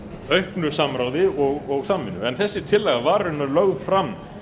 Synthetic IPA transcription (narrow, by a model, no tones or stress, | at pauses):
œɥhpnʏ̥samɾaːwðɪɔɣɔɣsaːmːɪnːʏ̰ɛnθɛsːɪt̪ʰɪlːɛɣavaːɾʏnaðlœɥɣfɾamː